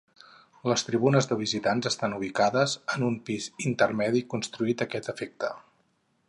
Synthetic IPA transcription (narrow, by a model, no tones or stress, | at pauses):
ləst̪ɾiβunəzðəβ̞izit̪anzəst̪anuβ̞ikaðəzənumpizint̪ərmɛðikunst̪ɾuit̪əkɛt̪əfek̚t̪ə